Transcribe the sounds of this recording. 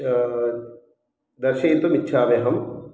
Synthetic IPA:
d̪ɐɾʃɐjit̪umitːʃʰaːʋeɦɐm

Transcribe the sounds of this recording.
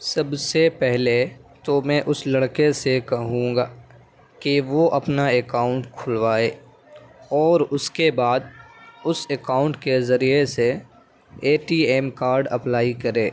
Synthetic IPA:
sɐbsepɛɦlet̪omɛ̃ʔʊslɐɽkesekɐɦũːŋɡaː | kiʋoʔɐpnaekaːʊ̃ɳʈkʰʊlʋaːeː | ɔːɾʊskebaːd̪̚ʊsekaːʊ̃ɳʈkezɐɾijese | eːʈiːeːmkaːɾɖɐ̰plaːikɐɾẽː

